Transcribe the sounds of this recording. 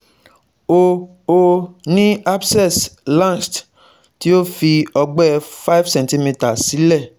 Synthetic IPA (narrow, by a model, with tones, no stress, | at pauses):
o˧ | o˧nĩ˦a˦bsɛ˦˨slã˦˨st | ti˨˦o˦fi˧ɔ˧ɡ͡bɛ˦fa˦jfsɛ̃˨nti˧mi˧ta˨si˨˦lɛ˦˨